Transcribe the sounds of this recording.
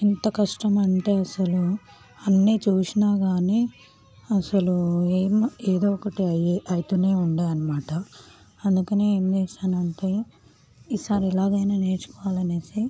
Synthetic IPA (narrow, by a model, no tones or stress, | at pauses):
int̪ɐkɐʂʈɐmɐɳʈe̞ːɐsɐlu | ɐnːiːt͡ʃuːsinaːɡaːni | ɐsɐlueːmeːd̪oːɔkɐʈiɐʔɐjt̪une̞ːuɳɖaːjɐnɐmaːʈɐ | ɐnd̪ukɐneːeːmt͡ʃeːsaːnɐɳʈe | iːsaːɾiɛlaːɡɐjnaːneːt͡ʃu̥kɔʋaːlɐneːsi